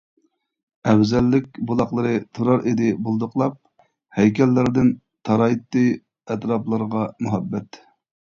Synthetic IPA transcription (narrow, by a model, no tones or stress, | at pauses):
ɛwzɛlːɪkʲbolˠɑχlˠəɾɨt̪ʰuɾɑɾʔed̪ɪbolˠd̪ʊqlˠɑp̚ | hɛjkʲʰɛlːɪɾd̪ɪn | t̪ʰɑɾɑit̪ːɨ | ɛt̪ɾɑplˠɨɾəʁɑmuɦɛbːɛt̪